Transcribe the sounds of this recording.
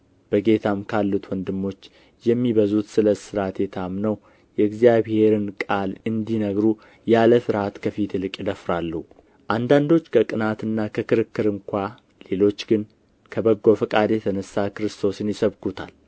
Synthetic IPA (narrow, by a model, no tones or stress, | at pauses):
b̥əɡe̞t̪ʰamkʰalːut̪ʰwɔnd̪ɨmːo̞t͡ʃː | jɛmːiβəzut̪sɨləsɨɾat̪jɛt̪ʰamnəw | jɛɨɡzijaβhe̞ɾɨnkʼalɨnd̪inəɡɾu | jaləsɨɾhat̪kʰəfit̪ɨlɨkʼjɪd̪əfɾalːuh | ʔand̪and̪o̞t͡ʃːkʰəkʼɨnat̪ɨnːakʰəkɨɾɨkːɨɾɨŋkʷʰa | le̞lo̞t͡ʃːɡɨn | kʰəbəɡːo̞fəkʼad̪jɛt̪ʰənəsːakɨɾɨst̪ʰo̞sɨnjɪsəβkʰut̪ʰa̰l